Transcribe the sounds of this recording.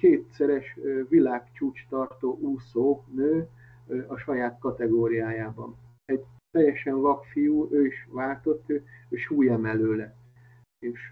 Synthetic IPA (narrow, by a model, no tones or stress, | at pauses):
keːt̪sɛɾɛʃvilaːkt͡ʃuːt͡ʃt̪ɒrt̪oːʔusoːnøː | ɒʃɒjaːt̪kɒt̪ɛɡoːɾijaːjaːbɒn | ɛɟt̪ɛjːɛʃɛnlɒpfijuːʔøːiʃʋaːlt̪o̞t̪ːøøːʃuːjɛmɛløːlɛ | eːʃ